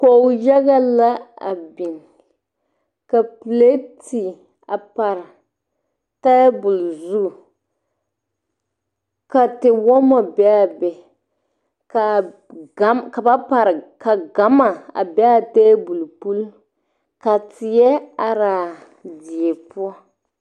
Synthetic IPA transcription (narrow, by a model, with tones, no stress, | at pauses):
ko˨ja˦ɣa˦la˦a̰˨bi˨ŋ | ka˨pu˨le˦ti˨ | a˨pa˨ɾ | ta˦bʊ˨lzu˦˨ | ka˨tɪ˨wɔ˦mɔ˨bɛ˦a˨bɛ˨ | ka˨ | ɡa˦ka˨ba˦pa˨ɾka˨ɡa˨˦ma˨a̰˨bɛ˦a˨te˦bu˨lpu˦l | ka˨tɪ˨jɛ˦a˨ɾaː˨ | di˨e˨pu˦ɔ˦